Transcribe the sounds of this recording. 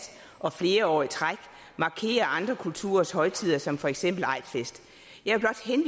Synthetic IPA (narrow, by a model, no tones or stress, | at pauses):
ʔɒ̽fle̝ːɐɒ̰ːit͡sʰʁaɡ̥ | mɑ̈kʰe̝̰ːɐɑ̈nd̥ʁɐkʰult͡sʰṵːɐshɒ̽ɪt͡sʰið̰ˠɐsɒ̽mfɒ̽eɡ̥sem̰b̥l̩ɑ̈ɪ̰d̥fesd̥ | jɑ̈ɪæb̥lɒ̽d̥henʋ